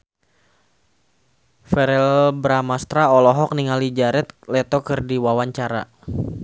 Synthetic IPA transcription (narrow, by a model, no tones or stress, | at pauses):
fɛɾɛlbɾamast̪ɾaɔlɔɦɔk̚niŋalid͡ʒaɾɛt̪̚lɛt̪ɔkɨrdiwawaɲt͡ʃaɾa̰